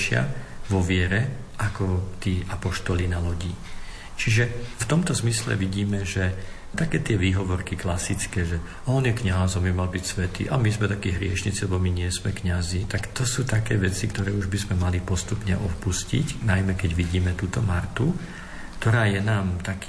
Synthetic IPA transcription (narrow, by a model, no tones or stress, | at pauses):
ʃɪa̰ʋɔʋɪɛɾɛ | ʔakɔt̪iːʔapɔʃt̪ɔlinalɔɟiː | t͡ʃiʒɛft̪ɔmt̪ɔzmislɛ̰ʋiɟiːmɛʒɛ | t̪akɛːt̪ɪɛʋiːɦɔʋɔɾkiklasit͡skɛːʒɛ | ɔnjɛkɲazɔmbimalbicsʋɛt̪ḭːʔamizmɛt̪akiːɦɾɪɛʃɲit͡silɛbɔmiɲɪɛzmɛkɲazit̪akt̪ɔsuːt̪akɛːʋɛt͡sikt̪ɔɾɛːuʒbizmɛmalipɔst̪upɲɛʔɔfpuscḭcnajmɛkɛɟʋiɟiːmɛt̪uːt̪ɔmaɾt̪u | kt̪ɔɾaːjɛnaːmt̪aki